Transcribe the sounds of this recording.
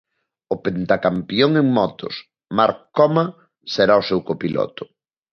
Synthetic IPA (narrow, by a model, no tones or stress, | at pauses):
ʊpent̪akampjoŋeŋmɔt̪ʊ̰s | maɾkɔma | seɾaosewkopilɔ̰t̪ʊ̥